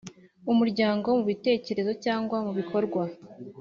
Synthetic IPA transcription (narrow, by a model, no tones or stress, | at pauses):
umuɾɟaːŋɡo̞muβite̞ːce̞ɾe̞zo̞caːŋɡwamuβikʰo̞ɾɡwa